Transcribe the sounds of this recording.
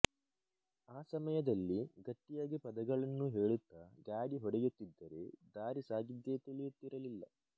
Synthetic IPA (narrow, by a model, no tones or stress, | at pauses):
aːsɐmɐjɐd̪ɐlːiɡɐʈːijaːɡipɐd̪ɐɡɐɭɐnːuɦeːɭut̪ːɐɡaːɽiɦɔɽɛjut̪ːid̪ːɐɾe̞d̪aːɾisaːɡid̪ːe̞ːt̪iɭijut̪ːiɾɐlilːɐ̰